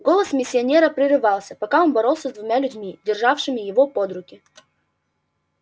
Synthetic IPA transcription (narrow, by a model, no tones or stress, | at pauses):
ɡo̞lˠəsmʲɪsʲːɪɐnʲeɾəpɾʲɪɾɨvɑlˠsʲəpɐkao̞nbɐɾo̞lˠsʲəzd̪vʊmʲalʲʉdʲmʲidʲɪrʐafʂɨmʲɪjɪvo̞po̞d̪ɾʊkʲɪ